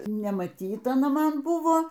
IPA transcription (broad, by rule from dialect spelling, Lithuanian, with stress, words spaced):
nʲɛmɐˈtʲiːtɐ ɐˈnɐ ˈmɐn ˈbʊʋoː